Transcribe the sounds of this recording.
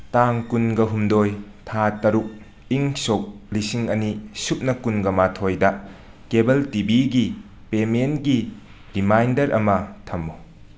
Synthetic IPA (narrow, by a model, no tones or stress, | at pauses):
taŋkunɡɐɦumdoj | tʰatɐɾuk̚ | iŋsok̚lisiŋɐnisup̚nɐkunɡɐmatʰojdɐ | kebɐltibiɡi | pementɡi | ɾimajndɐɾʔɐ̰mɐtʰɐmːu